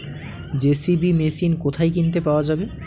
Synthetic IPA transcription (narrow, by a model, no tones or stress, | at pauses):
d͡ʑesibimesinkot̪ʰajkint̪epaoad͡ʑabe